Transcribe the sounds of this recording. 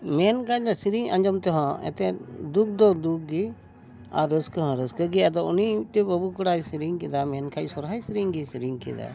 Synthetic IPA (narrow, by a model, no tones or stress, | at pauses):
mɛnkanasiɾiŋã̰ɲd͡ʒɔmt̪ɛɦɔ̃ɛ̰t̪ɛd̪uk̚ʰd̪ɔd̪uk̚ɡi | a̰ɾəskəɦɔ̃ɾəskəɡiɛd̪ɔuniʈibəbukuɽajsiɾiŋkid̪amɛnkʰasɔɾɦajsiɾiŋɡisiɾiŋkḭd̪a̰